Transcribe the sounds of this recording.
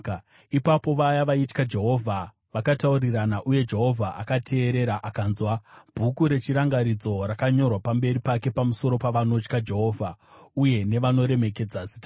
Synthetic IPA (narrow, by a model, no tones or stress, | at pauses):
ipapo̞ʋajaʋait͡ʃkad͡ʒe̞ɦo̞vʱa | ʋakatauriranaʔuje̞d͡ʒe̞ɦo̞vʱaʔakatʰe̞ːɾe̞ɾaʔakaːnzwab̥ʱukuɾe̞t͡ʃiɾaŋɡaɾid͡zo̞rakaɲo̞rwapambe̞ɾipake̞pamuso̞ɾo̞paʋano̞t͡ʃkad͡ʒe̞ɦo̞ːvʱauje̞ne̞ʋano̞ɾe̞me̞ke̞d͡zazi̥ta